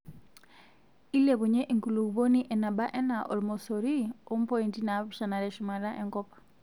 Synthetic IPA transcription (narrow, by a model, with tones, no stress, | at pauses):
i˦lɛ˨βu˨ɲɛ˦ʔi˨ŋku˨lu˨ku˨bo˦ni˦ʔɛ˨na˨ɓa˦ʔɛ˦na˨ʔɔ˨lmɔ˨sɔɾi˦ɔ˦m̩˦pɔi˨ntina˨piʃa˨na˨ɾɛ˨ʃu˨ma˨la˦ʔɛ˨ŋkɔpḁ